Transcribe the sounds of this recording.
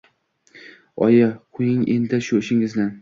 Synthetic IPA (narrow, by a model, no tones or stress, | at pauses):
ɒ̰jɑqʰʊjɪŋḛnd̪ɪʃʊɪʃɪŋɪznɪ